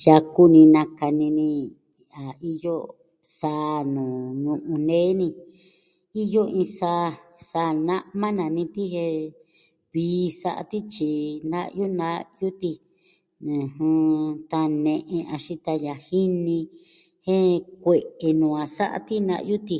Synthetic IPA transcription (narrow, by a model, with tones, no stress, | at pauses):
ja˧ku˦nĩ˧nã˧ka˧nĩ˧nĩ˧ | a˨i˦jo˦ | saː˧˦nũː˨nũ˧ʔũ˧nẽ˦nĩ˧ | i˦jo˦ĩ˧saː˧saː˧nã˦ʔmã˦nã˨nĩ˧t̪i˦hẽ˧ | βiː˧˦sa̰˦ʔa̰˧t̪i˦t͡ʃi˧nd̪a˦ʔju˦nã˧˦ju˦t̪i˧ | ɨ̃˨hɨ̃˧t̪a˧nẽ˧ʔẽ˧a˧ʃĩ˦t̪a˧ja˧hi˦nĩ˧ | hẽ˦kʷe˧˨ʔe˧nũː˨ã˧sa̰˦ʔa̰˧t̪i˦nã̰˧ʔju˦t̪i˧